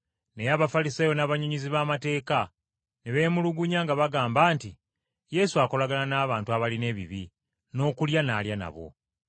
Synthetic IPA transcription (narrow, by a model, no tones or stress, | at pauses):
ne̞jaβafalisaːjo̞naβaɲoɲiziβaːmate̞ːka | neβe̞ːmuluɡuɲaːŋɡaβaɡaːmbaːnti | je̞suako̞laɡalanaːβaːntuaβaline̞ːβiβi | no̞ːkuljanaljana̰βo̞̰